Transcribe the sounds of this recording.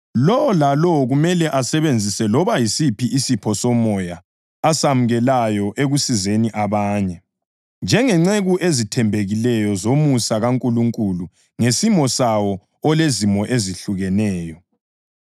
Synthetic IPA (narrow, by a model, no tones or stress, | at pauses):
lɔwlalɔɣumɛlɛʔasɛβend͡zʱisɛlɔβajisipʰiʔisipʰɔsɔmɔjaː | samuɣɛlajɔʔeɣusizeniʔaβaːɲɛ | nd͡ʒʱɛŋɛŋ͡ǀeɣuʔezitʰɛmbʱeɣilɛjɔzomusaɣaŋkʼuluŋkʼulu | ŋesimɔsawɔ | ɔlezimɔʔeziɬuɣɛnɛːjɔ